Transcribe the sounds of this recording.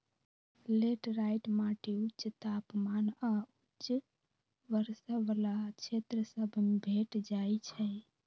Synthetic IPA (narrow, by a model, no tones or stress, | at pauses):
leʈɾajʈmaʈiut͡ʃt̪apmanautt͡ʃ | ʋəɾsəʋəlat͡ʃʰet̪ɾəsəbʱbʱeʈd͡ʒajt͡ʃʰɛj